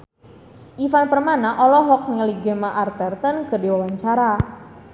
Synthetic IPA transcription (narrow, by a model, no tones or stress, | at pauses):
ʔifanpərmanaʔɔlɔɦɔk̚niŋəliɡɛmaʔart̪ərt̪ənkərdiwawaɲt͡ʃaɾa